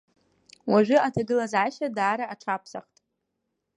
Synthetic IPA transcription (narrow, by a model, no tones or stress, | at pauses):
waʒʷᶣʏatʰaɡɨlazʕaʃadaːɾaʔːʈ͡ʂʰapʰsaχtʼ